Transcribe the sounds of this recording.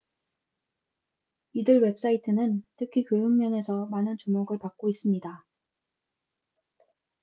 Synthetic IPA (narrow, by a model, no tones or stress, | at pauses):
idɯɭwe̞p̚s͈aitʰɯnɯntʰɯkʰikɯɯŋmjʌne̞sʰʌmanɯnt͡ɕumoɡɯɭpak̚k͈ois͈ɯmɲida